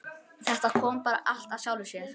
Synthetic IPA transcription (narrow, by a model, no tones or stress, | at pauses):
θɛht̪akʰɔːmpaːɾa̰ʔal̥t̪aðɕjaːwlʏsjɛɾ